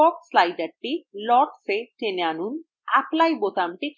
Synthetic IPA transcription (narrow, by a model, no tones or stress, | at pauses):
ɔpslajɖaɾʈːilɔʈseteneanun | a̰plajbot̪amʈik